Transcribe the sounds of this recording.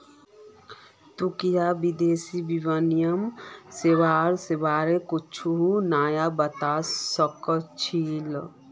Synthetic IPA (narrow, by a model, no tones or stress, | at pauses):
t̪ukijabid̪eːsibiwənijəmseʋaːɾsebaːɾekut͡ʃʰuɦunaːjabət̪asəkət͡ʃʰil